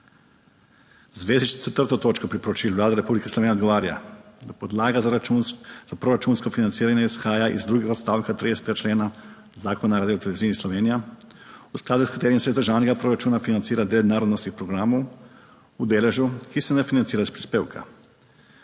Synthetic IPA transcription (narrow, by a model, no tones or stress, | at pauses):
zʋezit͡ʃt̪et̪rt̪ot̪ot͡ʃkopɾipɾot͡ʃiʎʲuʋlaːd̪eɾepublikeslˠoened̪ɡoʋaːɾaa̰d̪apod̪laːɡazuz̥apɾoɾat͡ʃunskofinant̪siːɾaɲaisxaːjaʔḭzd̪ɾuɡixot̪st̪aːʋkat̪ɾid̪eset̪eat͡ʃleːna | zaːkonaɾad̪jot̪eleiziːnislˠo̞ʋeːnija | usklˠad̪uskɾit̪eɾimsezd̪ɾrʒaːʋneɡapɾoɾat͡ʃuːnafinant̪siːɾad̪ed̪naːɾod̪nost̪ixpɾoɡɾamo | ud̪eleʒukisenefinant̪siːɾaispɾiːspewkʰa̰